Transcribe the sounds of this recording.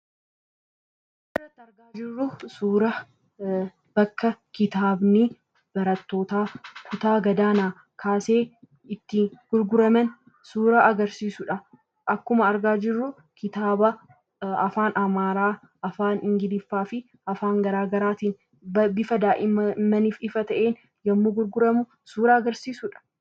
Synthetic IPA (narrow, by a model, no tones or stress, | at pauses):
ɪrːɐt̪ːɪɐɾɡaːd͡ʒɪrːʊsuːɾɐ | b̥ɐkːɐkɪt̪aːbnɪ | b̥ɐɾɐt̪ːo̞ːt̪aːkʰʊt̪aːɡɐd̪aːnaː | kʰaːse̞ː | ɪt̪ːiːɡ̥ʊɾɡʊɾɐmɛn | suːɾaʔɐɡɐɾsiːsʊᶑɐ | ʔɐkːʊmɐɐɾɡaːd͡ʒɪrːʊ | kɪt̪aːbɐ | ɐ̰faːnʔɐmaːɾaː | ʔɐfaːnɪŋɡɪlɪfːaːfɪ | ʔɐfaːŋɡɐɾaːɡɐɾaːt̪iːn | bɐbɪfɐd̪aːʔɪmːɐniːfɪfɐt̪ɐʔeːn | jɐmːuɡʊɾɡʊɾɐmʊ | suːɾɐːɡɐɾsiːsʊᶑɐ̥